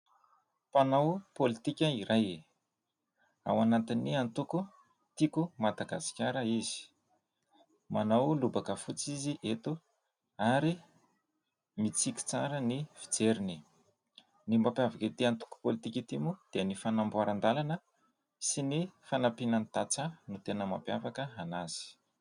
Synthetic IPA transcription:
panawpolit̪ikʲaiɾaje | a̰wanant̪inːiant̪uku | t̪ikumad̪aɡasi̥kʲaɾəizi̥ | manawlubakəfut͡siziʔet̪u | aɾi | mit͡sikʲi̥t͡saɾəniv̥i̥d͡zeɾini | nimbapiavaket̪iant̪u̥ku̥polit̪ikʲit̪imud̪̥iənifanambuaɾand̪alanə | sinifanapinanit̪at͡sənut̪enəma̰pjavakəanaz̥i̥

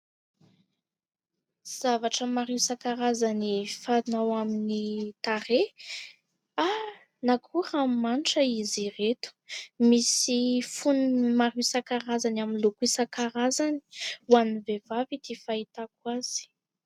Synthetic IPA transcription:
z̥avaʈ͡ʂəmaɾiwsakaɾazanifanawaminit̪aɾe | a | nakʰuɾamanʈ͡ʂəiziret̪u̥misifunmaɾisakaɾazanaminlukisakaɾazani̥wanivevavid̪ifait̪akwaz̥i̥

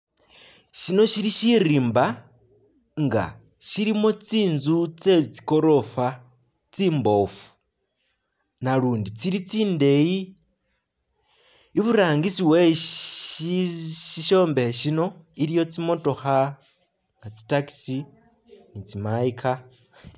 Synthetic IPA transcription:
ʃino̞ʃiɾiʃiɾiːmba | ŋɡa̰ | ʃiɾimot͡siːnzut͡se̞t͡si̥ko̞ɾo̞fa | t͡siːmbo̞ːfu̥ | naɾuːndit͡siɾit͡siːnde̞ji | βuɾaːŋɡisiwe | iʃiʃo̞ːmbeheʃino̞iɾijo̞t͡simo̞to̞xa | ŋat͡si̥taki̥si | nit͡simaikʰa

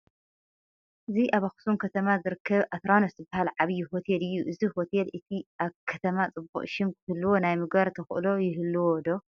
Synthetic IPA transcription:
ʔɨziʔaβaxɨ̥sumkʰɐt̪ʰɐmazɨɾɨkʰːɐβʔat̪ɾanoszɨbːahalʕaβɨjiɦot̪ʰelɨjːuʔɨzihot̪ʰelʔɨt̪ʰiʔaβkʰɐt̪ʰɐmat͡sʼɨbṵʔʼʃɪmkʰɨhɨlːɨwo̞najmɨɡβaɾt̪ʰɐxʔɨ̰lo̞jɪɦɨlːɨwod̪o̞

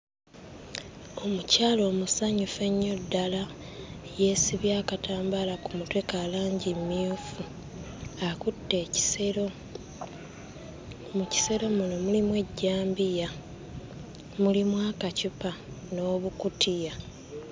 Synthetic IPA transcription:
o̞mucaːlo̞ːmusaɲufe̞ɲːo̞dːala | je̞siβjaːkataːmbalakumutwe̞kalaːɲɟimːifu | akutːe̞ci̥so | muci̥se̞ɾo̞muno̞mulimwe̞ɟːaːmbija | mulimwaːkacupa | no̞ːβukutʰija

